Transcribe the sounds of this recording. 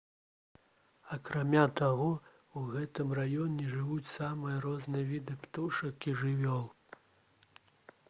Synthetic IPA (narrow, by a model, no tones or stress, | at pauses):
ɐkɾamʲat̪aɣɔ | uɣɛt̪ɨmrajɔnʲɛʐɨvut͡sʲsamɨjɐɾɔznɨjɐvʲid̪ɨpt̪uʂɐkiʐɨvʲɔlˠ